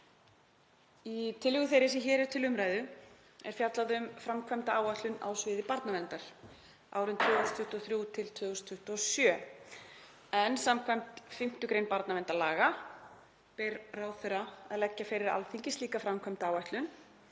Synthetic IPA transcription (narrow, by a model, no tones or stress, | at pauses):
it̪ʰɪlːʏɣʏθejɾɪsɛçɛːɾɛɾ̥t̪ʰɪlʏmɾaːjðʏ | ɛ̰ɾ̥fjat̪laðʏmfɾamkʰvɛmt̪aaːwaht̪lʏna̰ːwsvɪːðɪpaɾt̪navɛnt̪aɾ̥ | a̰ːwɾʏnt̪ʰvœːɣʏst̪ʰʏht̪ɔθɾjut̪ʰɪlt̪ʰvœːɣʏst̪ʰʏht̪ɔsjœː | ɛnsamkʰvajm̥t̪fɪm̥t̪ʏkɾejnpaɾt̪navɛnt̪alaːɣa | pɛɾraːwθɛɾaaðlɛcːafɪɾɪɾa̰lfiɲcɪst̪liːkafɾamkʰvɛmt̪aaːwaht̪lʏn